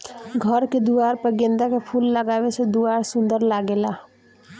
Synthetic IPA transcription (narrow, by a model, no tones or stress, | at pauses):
ɡʱəɾked̪uaːɾpəɡẽːnd̪akepʰuːlːəɡaːwesed̪uaːɾsʊ̃nd̪əɾlaɡela